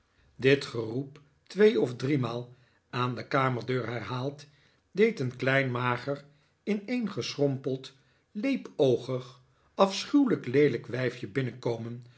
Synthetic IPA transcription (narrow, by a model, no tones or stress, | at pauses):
dɪtχərup | tʋejɔvdrimaːlˠ | andəkaːməɹdøːɹɦɛrɦaːlˠt | dejtənklɛjnmaːχər | ɪnejnχəsrɔmpəlˠt | lejpowχəχ | ɑfsχywləklejləkʋɛjfjəbɪnəkowmən